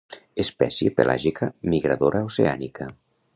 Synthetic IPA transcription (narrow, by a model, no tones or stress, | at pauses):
espɛsjepḛlʔa̰ʒikʰamiɣɾaðoɾʔausea̰nikʰa